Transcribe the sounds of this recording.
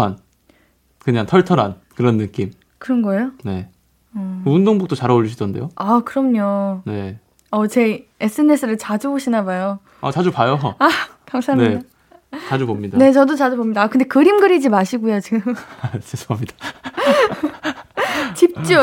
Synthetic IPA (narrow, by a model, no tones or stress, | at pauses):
an | kɯɲaŋtʰʌɭtʰʌɾɦankɯɾʌnːɯk͈im | kɯɾʌnɡʌejone̞ | undoŋbok̚t͈ot͡ɕaɾaoʎːuɕʰidʌnde̞̰joakɯɾʌmɲone̞ | ʌt͡ɕe̞esʰɯene̞sʰɯɾɯɭt͡ɕad͡ʑuboɕʰinabajo | at͡ɕad͡ʑupajoa | kaŋsʰaamneida | t͡ɕad͡ʑubomɲidane̞t͡ɕʌdot͡ɕad͡ʑubomɲidakɯndekɯɾimɡɯɾid͡ʑimaɕʰiɡujot͡ɕiɡɯmsʰesʰoamɲid̥a | t͡ɕip̚t͡ɕ͈o